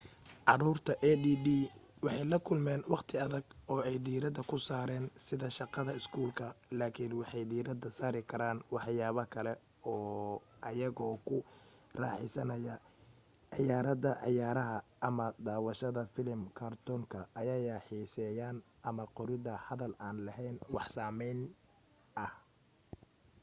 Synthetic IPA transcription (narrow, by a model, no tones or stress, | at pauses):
ʕɑɾuːrt̪ʰɐʔɛd̪iːd̪iːwɑħɑjlɐkʰʊlmɛːnwɑqt̪ʰɪɐðɐɡɔːɛjd̪iːɾɐd̪ɐkʰʊsaːɾɛːnsɪðɐʃɑqɑðɐɪskʰuːlkʰɐlaːkʰɪnwɑħɑjd̪iːɾɐd̪ɐsaːɾɪkʰɐɾaːnwɑħjaːβɐkʰɐlɛ | ɔːʔɐjɐɣɔːkʰʊ | rɑ̰ːħɪ̰sɐnɐjɐ | ʕɪjaːɾɐðɐʕɪ̰jaːɾɐɦɐʔɐmɐd̪aːwɑʃɐðɐfɪlɪmkʰaːrt̪ʰɔŋkʰɐʔɐjɐjaːħiːsɛːjaːn | ʔɐmɐqɔɾɪðɐhɐðɐlaːnlɐɦɛjnwɑħsaːmɛjn | ɐh